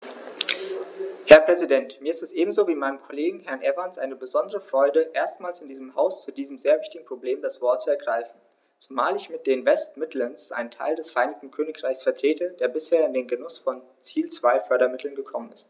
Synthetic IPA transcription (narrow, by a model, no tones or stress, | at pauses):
hɛɐpʁ̥ɛzidɛntmiːɐɪstɛsʔeːbm̩zoːviːmaɪnəmkʰoleːɡŋ̩hɛɐnʔɛvansʔa̰ɪnəbəzɔndəʁəfʁ̥ɔʏdəʔeːɐstmaːlsɪndiːzəmɦaʊst͡sudiːzəm̩zeːɐvɪçtɪɡŋ̩pʁ̥obleːmdasv̥ɔɐtt͡suɛɐɡʁaɪfn̩ | t͡sumaːlɪçmɪt̚d̥eːnvɛstmɪtʰlənsʔa̰ɪnəntʰa̰ɪldɛsfɛɐʔaɪnɪçk̚tn̩kʰøːnɪkʁ̥aɪçsfɛɐtʁ̥eːtʰəd̥eːɐbɪsheːɐɪndeːnɡənʊsfɔn | t͡siːlt͡sv̥aɪfœɐɾɐmɪtʰl̩nɡəkʰɔmənɪst